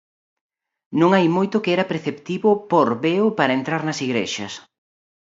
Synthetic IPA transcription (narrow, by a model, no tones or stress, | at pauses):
nõŋajmojt̪ʊkeɛɾɐpɾeθept̪iβʊpoɾβeʊpaɾɐent̪ɾaɾnɐsiɣɾḛʃɐs